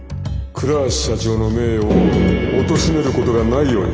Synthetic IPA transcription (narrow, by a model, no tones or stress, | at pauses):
kʰɯ̟ɾaɕi̥ːat͡ɕo̞ːno̞me̞ːoːt̪o̞ɕime̞ɾɯ̟ko̞t̪o̞ɡanaijo̞ːɲḭ